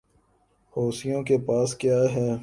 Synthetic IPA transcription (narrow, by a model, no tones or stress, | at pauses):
hoːsijõkepaːskjaːɦɛː